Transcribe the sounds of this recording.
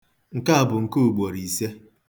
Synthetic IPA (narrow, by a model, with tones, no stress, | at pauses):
ŋ̩˨ka˦a˨bʊ˨ŋ̩˨ko˦u˨ɡ͡bo˨ɾi˨se˦